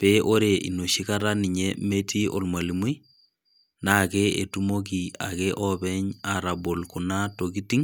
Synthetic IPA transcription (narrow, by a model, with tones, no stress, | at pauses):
peʔo˦ɾe˨ḭ˨no˨ʃi˦kaɾa˦ni˨ɲɛ˦me˦ti˦ʔɔ̰˨lma˨li˨mu˦j | nakɛ˦e˨tu˦mo˦k̬i˨a̰˨kɛʔɔbɛ˦ɲa˨ɾa˨bo˨lku˨na˦toki˦ti˦ŋ